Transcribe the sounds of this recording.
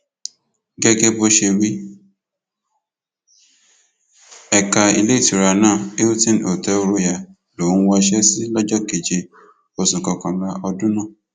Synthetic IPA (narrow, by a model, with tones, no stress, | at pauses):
ɡɛ˦ɡɛ˦bo˧ʃe˧ɾi˦ | ɛ˨ka˧ḭ˧le˦˨ti˨ɾa˨˧˨nãː˦˨e˦u˦tĩ˦no˨tɛ˨˦o˧ɾo˧˦ja˨ | lo˨˦wɔ˧ʃɛ˦si˦lɔ˦d͡ʒɔ˦˨ke˨d͡ʒe˧ | o˨sũ˨kɔ˧kã˨la˦ɔ˧dũ˦nã˦˨